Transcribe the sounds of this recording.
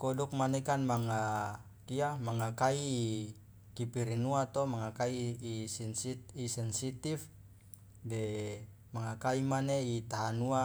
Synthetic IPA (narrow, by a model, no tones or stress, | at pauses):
kɔduk̚manekanmaŋa | kiamaŋakai | kipiɾinuat̪ɔmaŋakaiː | isɛnsit̪if | de | maŋakaimaneit̪aɦanua